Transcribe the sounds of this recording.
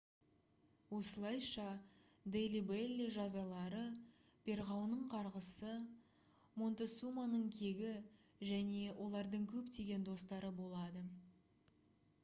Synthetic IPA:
wo̞səlˠɑjʃɑ | d̪ejlibelʲiʒɑzɑlˠɑɾə | pʲʰe̞ɾʁɑwnəɴqʰɑɾʁəsə | mo̞nt̪esumanəɴkʲʰe̞ɡʲɪ | ʒæne̞wʔo̞lˠɑɾd̪əɴkʲʰɵpt̪e̞ɡʲe̞nd̪o̞st̪ɑɾəbo̞lˠɑd̪ə

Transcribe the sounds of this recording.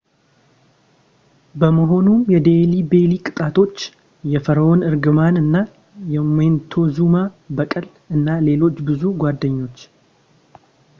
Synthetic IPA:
bəməɦo̞numjɛd̪elibe̞likʼɨt̪ʼat̪ʰo̞t͡ʃː | jɛfəɾəonɨɾɡɨmanɨnːa | jɛment̪ʰo̞zuma | bəkʼəl | ɨnːale̞lo̞t͡ʃːbɨzuɡʷwad̪ːəɲːo̞t͡ʃː

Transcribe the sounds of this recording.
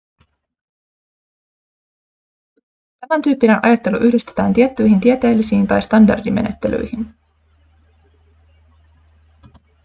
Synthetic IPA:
t̪æmænt̪yːpːinenʔɑ̰jɑt̪ːe̞luʔyhdist̪et̪æːnt̪iet̪ːyjɦint̪iet̪e̞ːlːisiːnt̪ɑjst̪ɑndɑ̰rdime̞̰net̪ːe̞̰ly̰jhin

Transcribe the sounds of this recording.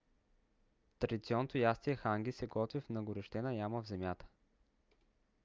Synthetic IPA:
t̪ɾɐd̪ʲit̪siɔnːot̪ojast̪iɛxaŋɡ̟isɛɡɔt̪vifnɐɡʊɾɛʃt̪ɛnɐjaməvzɛmʲjat̪ə̥

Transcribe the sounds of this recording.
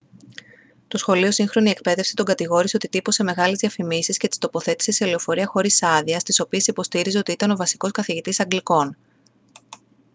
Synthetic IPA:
t̪o̞sxo̞lio̞siŋxɾo̞nie̞k̚pe̞ðe̞fse̥t̪o̞ŋɡɐt̪iɣo̞ɾiseo̞t̪it̪ipo̞se̞me̞ɣɐlezðiɐfimisiscet̪i̥st̪o̞po̞θe̞t̪i̥se̞sele̞o̞fo̞ɾiɐxo̞ɾisɐðiɐst̪iso̞pie̞sipo̞st̪iɾizeo̞t̪iit̪ɐno̞vɐsi̥ko̞skɐθiʝit̪isɐŋɡliko̞n

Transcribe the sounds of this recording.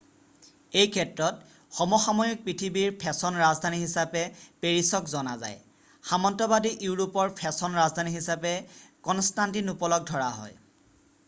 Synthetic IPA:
ejkʰɛtɹɔt̚ | xɔmɔxamɔjik̚pɹitʰibiɹpʰɛsɔnɹazdʱaniɦisapɛpeɹisɔkzɔna̰za̰j | xamɔntɔbadiʔiwɹopɔɹpʰɛsɔnɹazdʱaniɦisapɛkɔnstantinupɔlɔɡ̚dʱɔɹa̰ɦɔ̰j

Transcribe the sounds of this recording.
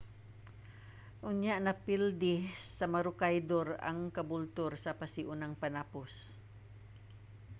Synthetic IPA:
ʔʊɲjaʔnɐpild̪ɪsɐmɐɾʊkajd̪oɾɐ̰ŋkɐbʊlt̪oɾsɐpɐsɪʔʊnaŋpɐnapos

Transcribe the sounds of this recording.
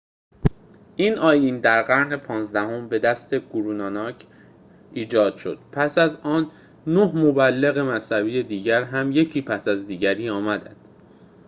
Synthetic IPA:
ʔiːnʔɒːjind̪æɾɢæɾne̞pʰɒːnzd̪æho̞mbe̞d̪æst̪ʰe̞ɡ̥uɾuːnɒːnɒːcʰ | ʔiːd͡ʒɒːd̪̥ʃo̞̰d̪̥pʰæsæzɒːnː | ohmobælːe̞ɣe̞mæshæbiːje̞d̪iːɟæɾɦæmje̞cʰiːpʰæsæzd̪iːɟæɾiːɒːmæd̪ænd̪̥

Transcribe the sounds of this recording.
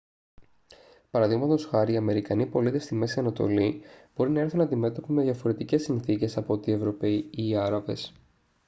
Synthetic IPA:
pɐɾɐðiɣmɐt̪o̞sxɐɾiːɐme̞ɾikɐnipo̞lit̪e̞st̪ime̞siɐnɐt̪o̞̰lib̥o̞ɾinɐe̞ɾθunɐd̪ime̞t̪o̞pime̞ðjɐfo̞ɾe̞t̪ice̞sːinθice̞sɐpo̞t̪ie̞vɾo̞peiiːɐɾɐve̞s

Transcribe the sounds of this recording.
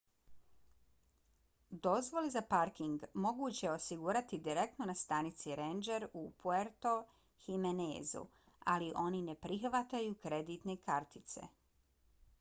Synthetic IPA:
d̪o̞zʋo̞lezapaɾkiŋɡmo̞ɡuːt͡ɕe̞o̞siɡuɾat̪id̪iɾe̞k̚t̪no̞nast̪anit̪siɾend͡ʒeɾupueɾt̪o̞ | himenḛːzṵ | a̰liʔo̞nine̞pɾixʋat̪ajukɾe̞d̪iːt̪ne̞kʰaɾt̪it̪se̞̰

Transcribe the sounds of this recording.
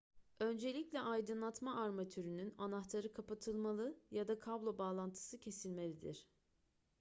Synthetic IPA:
ø̞nd͡ʒe̞lʲiclʲɛʔajd̪ɯnlˠat̪maaɾmat̪ʰyɾynynanaxt̪ʰaɾɯkʰapʰat̪ʰɯlˠmalˠɯjad̪akʰablˠo̞baːlˠant̪ʰɯ̥sɯcʰe̞silʲme̞lʲid̪iɾ̝̥

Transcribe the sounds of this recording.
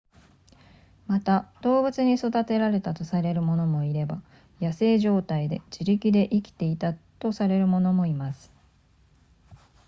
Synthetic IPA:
mat̪ad̪̥o̞ːbɯ̟t͡sɨɲ̟iso̞d̪at̪e̞ɾaɾe̞t̪at̪o̞saɾe̞ɾɯ̟mo̞no̞mo̞iɾe̞ba | jase̞ːʑo̞ːt̪aid̪e̞d͡ʑiɾʲikʲid̪e̞ʔikʲi̥t̪e̞it̪at̪o̞saɾe̞ɾɯ̟mo̞no̞mo̞imasɨ̥

